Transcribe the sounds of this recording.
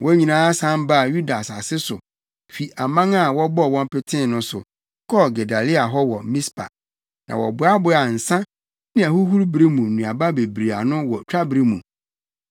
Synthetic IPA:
wɔ˦ɲĩ˨nãː˨˦a˦sã˦m˦ba˦˨ju˦da˨sa˨sɪ˦sʊ˨ | fi˨ʔa˨mã˦ŋa˦˨wɔ˦bɔ˦˨wɔ̃˦m˦pɪ˦tʰɪ̃˦˨nʊ̃˦sʊ˨ | kʰɔ˦ɡe˨da˨li˦a˨ɦɔ˦wɔ˨mĩ˦spʰa̰˨ | nã̰˨wɔ˨bʊ˨˦a˦bʊ˨˦a˨n̩˨sã˦ | nɪ̃˦æ˨hu˦ɦu˦ɾbɾi˦mũ˨nũ˨a˨ba˦be˨bɾi˨a̰˨nʊ̃˦wɔ˨t͡ɕᶣa˦bɾi˦mũ˨

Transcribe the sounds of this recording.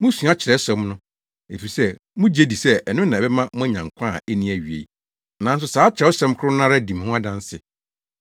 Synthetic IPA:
mʊ̃˦sũ˨˦a˦t͡ɕʰɪ˨ɾɛ˦sɛ̃˦mnʊ̃˦ | ḛ˨fi˨sɛ˦ | mʊ̃˦d͡ʑe˦di˨sɛ˦ɛ˨nʊ̃˦nã˨bɛ˦mã˦mʊ̃˦æ˦ɲã˨ŋkʷʰã˦˨e˦nĩ˦æ˨ɥi˨ḛ˨ | nã˨˦n̩˦s̬ʊ˨˦saː˨˦t͡ɕʰɾɛ˨˦ʊ˦sɛ̃˦m˦kʰɾʊ˦nã˦ɾa˦di˨m̃˨˦ʊ̃˦a˦dã˦n˦sɪ˨

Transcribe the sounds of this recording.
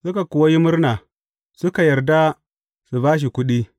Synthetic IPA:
sʊ˦ka˨kʊ˨wa˦ji˦mʊ˦rnaː˨ | sʊ˦ka˨jɐ˨ɾda˦ | su˨baː˦ʃ̬i˨kʷʊ˦ɗiː˦

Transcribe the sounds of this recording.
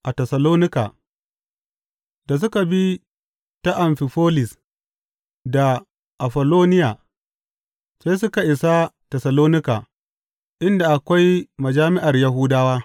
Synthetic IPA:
ʔa˨tɛ˨sa˨loː˦nɪ˦ka̰ː˨ | da˨s̬ʊ˦ka˨bi˦ | ta˦ʔa˨mɸɪ˨ɸoː˦lɪ˨s | da˨ | ʔa˨ɸɐ˨loː˦nɪ˦jaː˨ | sa˦js̬ʊ˦ka˨ʔɪ˨sa˦tɛ˨sa˨loː˦nɪ˦kaː˨ | ʔɪ˦nda˨ʔa˨kʷa˦jmɐ˨d͡ʒaː˦mɪ˦ʔa˨rja˦ɦʊ˦daː˦waː˦

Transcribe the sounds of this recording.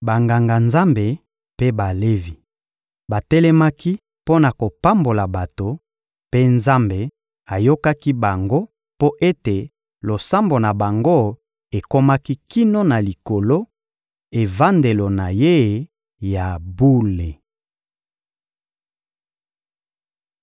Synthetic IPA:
ba˨ŋɡa˨ŋɡa˨nza˦mbe˨ | pe˦ba˨le˦vi˨ | ba˨tɛ˦lɛ˦ma˦ki˦ | po˦na˨ko˨pa˦mbo˨la˨ba˨to˨ | pe˦nza˦mbe˨ | a˨jo˦ka˦ki˦ba˨ŋɡo˦ | po˦ʔe˦te˨ | lo˨sa˦mbo˨na˨ba˨ŋɡo˦ | e˨ko˦ma˦ki˦ki˦no˦na˨li˨ko˨lo˦ | e˨va˦nde˨lo˨na˨je˦˨ | ja˨bu˦le˨

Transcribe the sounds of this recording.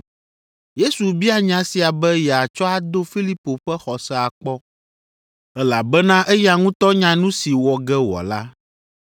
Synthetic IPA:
je˦su˨bi˦a˨ɲã˨si˨a˨bɛ˦jɛ˨a˨t͡ʃɔ˦a˨d̪o˦fi˦li˦po˨ɸɛ˦xɔ˨sɛ˦a˨k͡pɔ˦ | ɛ˦la˨bɛ˦nã˦ʔɛ˦ja˨ŋũ˦t̪ɔ˦ɲã˨nũ˦si˨wɔ˨ɡɛ˦wɔ̰˨la˦

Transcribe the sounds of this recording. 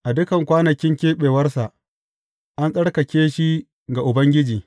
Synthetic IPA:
ʔa˨dʊ˦kɐ˨ŋkʷaː˦nɐ˨kʲɪ˦ŋkʲeː˦ɓeː˨wɐ˦rsa˨ʔ | ʔa˦nsʼɐ˦ɽkɐ˨kʲeː˦ʃi˦ | ɡa˨ʔʊ˨bɐ˦ŋɡʲɪ˦d͡ʒiː˨

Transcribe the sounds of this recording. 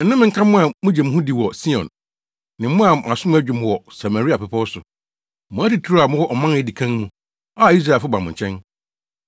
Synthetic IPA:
n̩˨˦nʊ̃˦mɪ̃˨ŋ̩˦kʰã˦mʊ̃˦a˨mʊ̃˦d͡ʑɛ˨mʊ̃˦ɦũ˦di˨wɔ˨si˦ɔ̰̃˨n | nɪ̃˨˦mʊ̃˦a˨a˨sʊ̃˦mʊ̃˦æ˦d͡ʑᶣɪ˨m˨wɔ˨sa˨ma˨ɾi˦a˨pɛ˨pʰɔ˦sʊ˨ | mʊ̃˨˦æ˦ti˨tʰu˦ɾa˨mʊ̃˦wɔ˦ʔɔ˨mã˦n˨jɛ˦di˨kʰã˦ŋmũ˨ | a˦˨i˦s̬ɾa˦˨fʊ˦bã˨mʊ̃˨ɲ̩˨t͡ɕʰɛ̃˦n

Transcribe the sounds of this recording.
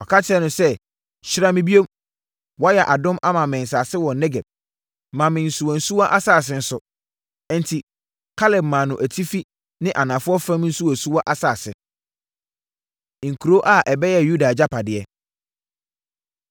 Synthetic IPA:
ɔ˨kʰa˦tʰɪ˦ɛ˦nʊ̃˦sɛ˦ | ɕɪ˦ɾa˦mɪ̃˦bi˦o˦m | wɔ˦jɛ˨ʔa˨dʊ̃˦mʔa˦mã˨mɪ̃˨n̩˨s̬a˨sɪ˦wɔ̃˨nɛ˦ɡɛ˨b̚ | mã˨mɪ̃˨n̩˨su˨wɔ̃˨n̩˨su˦wa˦ʔa˦saː˦˨s̬ɪ˦n̩˦sʊ˨˦ | n̩˨tʰi˨ | kʰa˦lɛ˨bmã˨nʊ̃˨ʔæ˨tʰi˦fi˦ | nɪ̃˦ʔa˨nã˨fʊ˦ɔ˦fɾã˦m˦n̩˦su˦wɔ˨su˦wa˦ʔa˦saː˨sɪ˨ | ŋ̩˨kʰu˨ɾo˦ʔa˦˨ʔɛ˨bɛ˦jɛ˦˨ju˦da˨d͡ʑa˦pʰa˨dɪ˨ɛ˦

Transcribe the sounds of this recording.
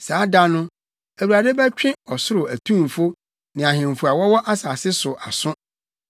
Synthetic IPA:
saː˨˦da˦nʊ̃˦ | æ˨wu˨ɾa˨de˦bæ˦t͡ɕᶣɪ̃˦ɔ˨sʊ˦ɾʊ˨æ˨tʰũ˦m˨fʊ˦ | nɪ̃˨a˨ɦɪ̃˨m˨fʊ˨a˨wɔ˦wɔ˦ʔa˦saː˨sɪ˦sʊ˨ʔa˨sʊ̃˦

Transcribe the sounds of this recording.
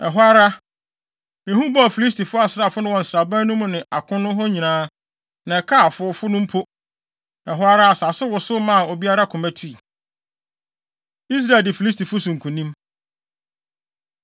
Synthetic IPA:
ɛ˨ɦʊ˦a˦ɾa˦ | ɛ̃˨hũ˦bɔ˦a˨fi˨li˦s̬tʰi˨fʊ˦a˨sɾa˨fʊ˦nʊ̃˦wɔ̃˨n̩˨sɾa˨bã˦nʊ̃˦mʊ̃˨nɪ̃˨ʔa˨kʰʊ̃˦nʊ̃˦ɦɔ˦ɲĩ˨nãː˦ | nã˨ɛ˨kʰaː˦˨fʊ˦fʊ˦nʊ̃˦m˦pʰʊ˦ | ɛ˨ɦʊ˦a˦ɾa˦a˨sa˨sʊ˦wʊ˨sʊ˦mã˦˨ɔ˨bi˦a˦ɾa˦kʰʊ̃˨mæ̃˦tʰu˦i˨ | i˦s̬ɾa˦˨ldɪ˨fi˨li˦s̬tʰi˨fʊ˦sʊ̃˨ŋ̩˨kʰũ˨nĩ˦m

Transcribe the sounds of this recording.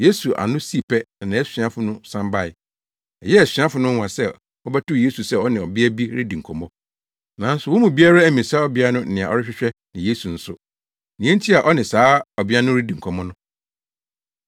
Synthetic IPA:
je˦su˨ʔa̰˨nʊ̃˦si˦˨pʰɛ˦nã˨nã˨˦ɛ˦sᶣɥa˦fʊ˦nʊ̃˦sã˦mba˦ɪ˨ | ɛ˨jɛ˦ɛ˨sᶣɥã˦fʊ˨nʊ̃˦wã˨sɛ˦˨ | ɔ˦bɛ˦tʰʊ˦˨je˦su˨sɛ˦˨ɔ˦nɪ̃˨ɔ˨bɪ˦ɛ˦bi˦ɾḭ˦dĩ˨ŋ̩˨kʰɔ˨mɔ̃˦ | nã˨˦n̩˦sʊ˨wʊ̃˦mũ˨bi˦a˦ɾa˦æ˦mĩ˨saː˦ɔ˦bɪ˦a˦nʊ̃˦n̩˦nɪ̃˨a˨ɔ˦ɾɪ˦ɕᶣɪ˦ɕᶣɛ˦nɪ̃˨je˦su˨n̩˦sʊ˦ | nĩ˨ɛ̃˦n̩˦tʰi˦a˨ʔɔ˦nɪ̃˨saː˨˦ɔ˨bɪ˦a˦nʊ̃˦ɾi˦dĩ˨ŋ̩˨kʰɔ˨mɔ̃˦nʊ̃˦

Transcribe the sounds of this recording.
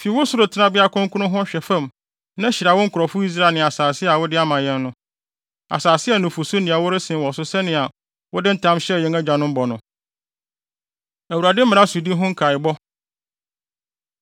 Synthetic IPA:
fi˨˦wʊ˦sʊ˦ɾʊ˨tʰɪ˨nã˦bɪ˦a˦kʰʊ̃˦ŋkʊ˦nʊ̃˦ɦʊ̃˦ɕᶣɛ˨fã˦˨m | nã˦ɕɪ˨ɾa˨wʊ˦ŋ̩˦kʰʊ˨ɾɔ˨fʊ˦i˦s̬ɾa˦˨nɪ̃˨a˨saː˨sɪ˦a˨wʊ˦dɪ˦a˦mã˨jɛ̃˦nːʊ̃˦ | a̰˨saː˨sɪ˦ɛ˦˨nʊ̃˨fʊ˨sʊ˦nĩ˨a˨wʊ˦ɾɪ˦sɪ̃˨wɔ˨sʊ˦sɛ˦nɪ̃˨a˨ | wʊ˦dɪ˦n̩˦tʰã˦mɕɛ˦jɛ̃˦næ˦d͡ʑã˨nʊ̃˦m̩˦bɔ˨nʊ̃˨˦ | æ˨wu˨ɾa˨dɪ˦mɪ̃˨ã˦su˨di˦ɦʊ̃˦ŋ̩˦kʰa˨ɪ˨bɔ˦

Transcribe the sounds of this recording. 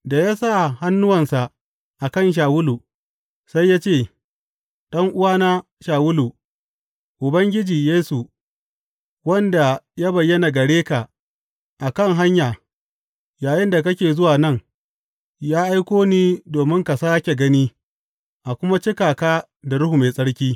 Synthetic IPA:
da˨jaː˦sa˦˨ha˦nːʊ˦wɐ˨nsa˨ʔ | ʔa˨kɐ˦˨nʃ̬aː˨wʊ˦luː˨ | sa˦jːaː˦t͡ʃeː˦˨ | ɗɐ˦ŋʔʊ˦waː˦na˦ | ʃaː˨wʊ˦lu˨ | ʔʊ˨bɐ˦ŋɡʲɪ˦d͡ʒiː˨jeː˦su˨ | wɐ˦nda˨ja˦bɐ˨jːɐ˦na˨ɡɐ˨ɽeː˦ka˨ | ʔa˨kɐ˦ŋɦa˦ɲjaː˨ | jaː˨jɪ˦nda˨k̬ɐ˦kʲeː˨zʊ˦waː˨nɐ˦ŋ | jaː˦ʔa˦jkʷoː˦niː˦doː˨mɪ˦ŋka˨saː˦kʲe˨ɡɐ˦niː˦ | ʔa˨kʷʊ˦ma˦t͡ʃɪ˦kaː˨kaː˦ | da˨ɽʊ˦hu˨meː˨sʼɐ˦ɽkʲiː˦

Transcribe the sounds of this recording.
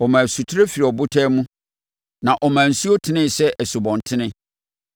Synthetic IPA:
ɔ˨mãː˨su˨tʰʊ˦ɾe˦fi˨ɾi˨ɔ˨bʊ˦tʰɛː˦mũ˦ | nã˨ʔɔ˨mãː˨n̩˨su˦o˦tʰɪ˨˦nɪ̃˦˨sɛ˦ʔɛ˨sʊ˨bɔ̃˨ntʰɪ˦nɪ̃˦

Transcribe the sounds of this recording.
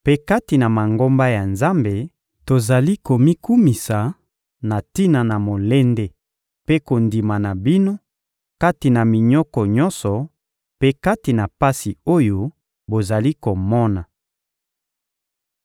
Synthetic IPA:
pe˦ka˦ti˨na˨ma˨ŋɡo˦mba˦ja˨nza˦mbe˨ | to˨za˨li˦ko˨mi˦ku˦mi˨sa˨ | na˨ti˦na˨na˨mo˨le˦nde˦ | pe˦ko˨ndi˨ma˨na˨bi˦no˦ | ka˦ti˨na˨mi˨ɲɔ˦kɔ˨ɲɔ̃˦nsɔ˨ | pe˦ka˦ti˨na˨pa˦si˨o˦jo˦ | bo˨za˨li˦ko˨mɔ˦na˨

